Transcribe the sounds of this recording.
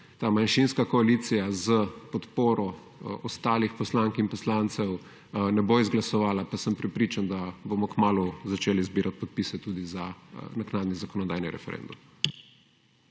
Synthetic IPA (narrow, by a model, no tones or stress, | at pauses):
t̪aːmanʃinskakɔalit̪sijazəpɔt̪poːɾɔ | ɔst̪aːlixpɔslaŋkinpɔslant̪sɛw | nɛboizɡlasɔʋaːlapasəmpɾɛpɾiːt͡ʃand̪abomɔkmaːluzat͡ʃeːlizbiːɾʔat̪̚pɔt̪̚pisɛt̪uːd̪izanaknaːd̪nizakɔnɔd̪aːjniɾɛ̰fɛ̰ɾɛ̰nd̪um